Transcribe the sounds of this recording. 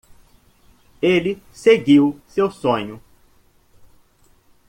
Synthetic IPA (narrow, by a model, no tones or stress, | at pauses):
elɪseɡiwsewsõɲʊ